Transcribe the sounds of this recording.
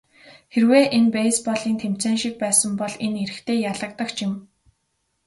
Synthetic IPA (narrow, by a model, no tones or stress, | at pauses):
xerweːʔenpeːspɔɮiːnt̪ʰem̥t͡seːnʃik̚pæːsə̆mpɔɮeneɾɘ̆xt̪ʰeːjaɮə̆k̚t̪ə̆kt͡ɕɪ̆m